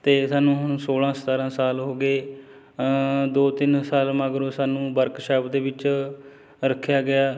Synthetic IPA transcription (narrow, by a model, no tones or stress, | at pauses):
t̪eːsaːnũːɦʊnsoːlãːsə̥t̪aːɾãːsaːlɦoːɡeː | d̪oːt̪ɪnsaːlmaːɡɾoːsaːnũːbəɾkʃaːbd̪eːʋɪt͡ʃ | ɾəkʰːjaːɡɪjaː